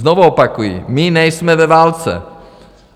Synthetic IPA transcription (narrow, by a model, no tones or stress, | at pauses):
nɔʋuɔpakujḭminɛjsmɛvɛʋaːlt͡sɛ̰